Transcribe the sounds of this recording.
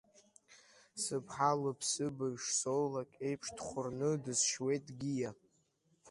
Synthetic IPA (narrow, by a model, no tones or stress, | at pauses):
sɨpʰħalɨpʰsɨbaʂsollakʼe̞jpʰʂdχʷʊrnɨdɨzʃwe̞jtʼɡʲija